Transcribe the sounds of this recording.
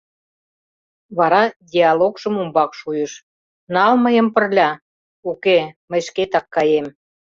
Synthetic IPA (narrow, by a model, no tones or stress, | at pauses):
βɑɾɑdʲiɑlokʒə̆mumbɑkʃujə̆ʃ | nɑlməjə̆mpə̆rlʲɑ | ukeməjʃket̪ɑkːɑjem